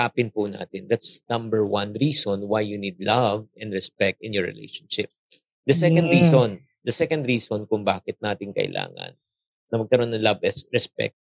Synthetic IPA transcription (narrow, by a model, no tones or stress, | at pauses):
aːpɪnpʊna̰ːt̪ɪnd̪at̪snɐ̃mbɛɹwɐnɹiːsonwajjunid̪̚lɐvɛ̃nd̪ɹɛspɛk̚t̪ɪ̃njɔɹɹɪ̰lʔḛjʃɐ̥nʃɪp̚ | d̪ɐsɛkɐ̃nd̪ɹiːson | d̪ɐsɛkɐnd̪ɹiːsonkʊŋbaːkɪt̪̚naːt̪ɪŋkɐ̰ʔɪ̰lʔa̰ːŋɐ̰n | sɐmɐɡ̚kɐɾonɐlɐvɛsɹɛspɛ̰k̚t̪̚